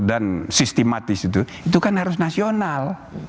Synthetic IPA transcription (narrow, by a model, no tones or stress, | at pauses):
dansist̪emat̪ɪsit̪u | it̪ukanhaɾʊs̬nasional